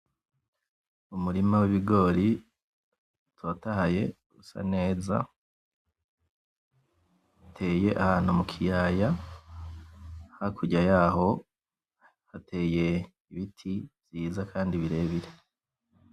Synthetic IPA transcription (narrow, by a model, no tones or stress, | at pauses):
umuɾimawiβiɡo̞ːɾi | twaːtahaje̞ | usa̰ne̞ːza̰ | atʰeːje̞ʔahaːn̥humukʰijaːja | hakʰuɟajaho̞ | hatʰe̞ːje̞ | iβitʰiz̥iːzakʰaːndiβiɾe̞ːβiɾe